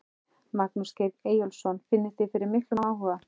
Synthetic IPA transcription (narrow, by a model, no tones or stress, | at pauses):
maknusceðeːjɔlsɔnfɪnːɪθɪfɪɾɪɾmɪhklʏaːwɦɔða